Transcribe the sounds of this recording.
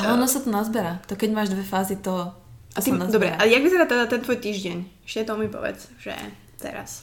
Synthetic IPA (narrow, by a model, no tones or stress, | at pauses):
ɦɔnɔsat̪ɔnazbɛɾaːt̪ɔkɛɟmaːʒd̪ʋɛfaːzit̪ɔ | asinazd̪ɔbɾɛ̰ʔajaɡʋizɛɾat̪ɛd̪at̪ɛnt̪ʋɔjt̪iːʒɟɛɲɛʃcɛɛt̪ɔmipɔ̰ʋɛ̰t͡sʒ̥ɛ̰ | t̪ɛ̰ɾa̰s